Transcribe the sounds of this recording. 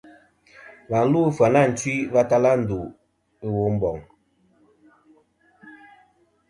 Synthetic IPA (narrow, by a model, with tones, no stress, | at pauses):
ba˨n̩˦lu˦fwa˨na˦˨n̩˨twi˦va˦ta˦la˦n̩˨du˨ | e˦wo˦m̩˦bɔ˨ŋ